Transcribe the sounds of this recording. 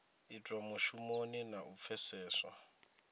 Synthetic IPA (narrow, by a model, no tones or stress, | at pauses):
itʼwamuʃumoninaʔup̪fʰɛsɛːswa̰